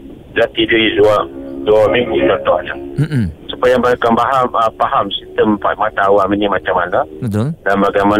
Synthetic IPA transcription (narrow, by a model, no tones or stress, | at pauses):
d͡ʒaʔt̪idijizuaduamiŋɡut̪ɔt̪ɔhɲasupajabakambaɦaməpaɦamsist̪əmpa̰t̪̚mat̪auaminimat͡ʃamanaət̪danbaɡajma